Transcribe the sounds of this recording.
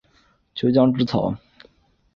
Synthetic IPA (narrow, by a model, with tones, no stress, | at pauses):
t͡ɕʰo˧˥ʊt͡ɕjɑ˥ŋʈ͡ʂɻ̩˥t͡sʰɑ˨˩ʊ